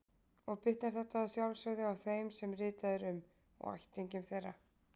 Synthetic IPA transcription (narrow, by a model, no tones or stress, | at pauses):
ɔɣpɪht̪naɾ̥θɛht̪aːðsjawlsœɥɣðɪawθejmsɛmrɪːt̪aðɪɾʏm | ɔ̰ɣa̰jht̪ːɪɲcʏmθejrːa